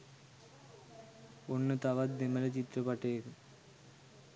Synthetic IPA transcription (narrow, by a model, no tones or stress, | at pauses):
onːɨt̪ɐʋɐd̪imɐlɐt͡ɕit̪ɾɐpɐʈːeːku